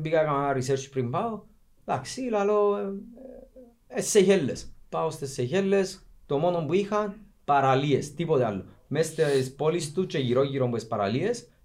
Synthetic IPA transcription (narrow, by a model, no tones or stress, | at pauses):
bikakamaɡaris̬eɾt͡ʃpɾimpao | laksilalo | esːeʝelːespaost̪esːeçelːest̪omonombwixan | paɾaliest̪ipoðea̰lːo | mest̪eespolist̪ut͡ʃeʝiɾojiɾombwespaɾa̰lies